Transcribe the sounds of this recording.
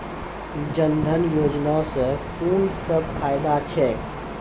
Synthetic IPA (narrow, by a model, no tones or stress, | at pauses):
d͡ʒənd̪ʱənjoːd͡ʒnasə̃kuːnsəb̚pʰaːjd̪at͡ʃʰɛ